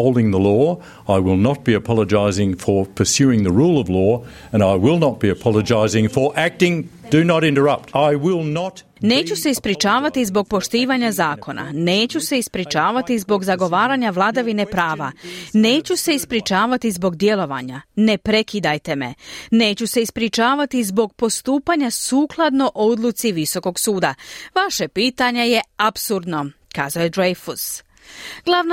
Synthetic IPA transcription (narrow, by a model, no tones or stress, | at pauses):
oʊlˠdɪ̃ŋðəlɔ | aɪwɪlˠnət̚b̥iɨpʰɑlˠəd͡ʒaɪzɪ̃ŋfə˞pʰə˞sjʉɪ̃ŋðəɹulˠʌvlɔ | ɨ̃naɪwɪlˠnət̚b̥iɨpʰɑlˠəd͡ʒaɪzɪ̃ŋfə˞ʔæk̚tɪ̃ŋd̥ɨnəɾɪ̃ntə˞ʌp̚taɪwɪlˠnət | ne̞ːt͡ɕuse̞ispɾit͡ʃaːʋat̪izbo̞ɡ̚po̞ʃt̪iːʋaɲazaːko̞nʔa̰neːt͡ɕuse̞ispɾit͡ʃaːʋat̪izbo̞ɡzaɡo̞ʋaːɾaɲaʋlˠad̪aʋine̞pɾaːʋa̰ne̞ːt͡ɕuse̞ispɾit͡ʃaːʋat̪izbo̞ɡd̪je̞lo̞ʋa̰ːɲa̰ne̞pɾe̞kid̪ajt̪e̞me̞̰ne̞ːt͡ɕuse̞ispɾit͡ʃaːʋat̪izbo̞ɡ̚po̞st̪uːpaɲasuːklˠad̪no̞ʔo̞d̪lˠut̪siʋiso̞ko̞ɡsuːd̪aʋaʃepiːt̪aɲe̞je̞apsuɾd̪no̞kaːzajed̪ɾejfus | ɡ̥lˠaʋn